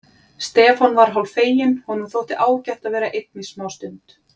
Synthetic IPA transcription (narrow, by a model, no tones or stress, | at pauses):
st̪ɛːfɔnvaɾ̥ɦawlfeːjɪnhunːʏmθowht̪ɪʔaːwcaht̪aðvɛːɾaʔejt̪̚nismaːwst̪ʏnt̪